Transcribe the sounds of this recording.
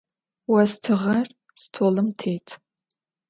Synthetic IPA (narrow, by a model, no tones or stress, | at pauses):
wɐstʰɨʁɐr | stʰoːlɨmtʰeːjtʰ